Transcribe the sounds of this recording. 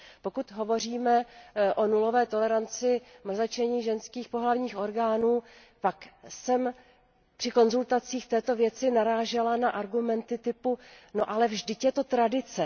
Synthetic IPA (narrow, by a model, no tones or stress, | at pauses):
po̞kut̪ɦo̞vo̞r̝iːmɛʔo̞nulo̞vɛːt̪o̞lɛɾant͡sɪmr̩zat͡ʃɛɲiːʒɛnskiːxpo̞ɦlavɲiːxʔo̞ɾɡaːnuː | paksɛm | pr̥ɪko̞nzult̪at͡siːxt̪ɛːt̪o̞vjɛt͡sɪnaɾaːʒɛlanaʔaɾɡumɛnt̪ɪt̪ɪpuno̞ʔalɛvʒdɪtjɛt̪o̞t̪ɾadɪt͡sɛ